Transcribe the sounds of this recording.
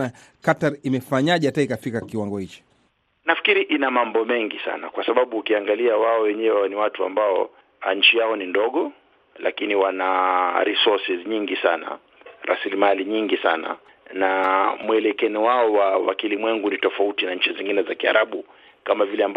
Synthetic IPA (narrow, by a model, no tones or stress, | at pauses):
a | kataɾimɛfaɲaʄɛhataikafikakiwaŋɡɔhit͡ʃi̥ | nafi̥kiɾiʔinamambɔmɛŋɡisa̰na̰kwasaɓaɓuːkiaŋɡaliawaɔwɛɲɛwɛɛniwatua̰mbaɔ | aɲ̩t͡ʃijaɔnindɔɠɔ | la̰kiniwanaɾisɔsizɲiŋɡisana̰ | ɾa̰silimaliɲiŋɡisana̰ | namuɛlɛkɛniwaɔwawa̰kilimwɛŋɡunitɔfautinaɲ̩t͡ʃiziŋɡinɛzakia̰ɾʔaɓu | kamavilɛamb